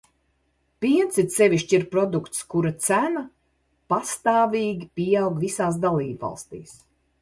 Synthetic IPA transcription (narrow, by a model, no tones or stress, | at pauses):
piɛnt̪sit̪sɛvʲiʃt͡ʃiɾpɾɔd̪ukt̪skuɾat̪sæna | past̪aːvʲiːɡʲipʲiawɡvisaːs̬d̪alˠiːbva̰lˠst̪ḭːs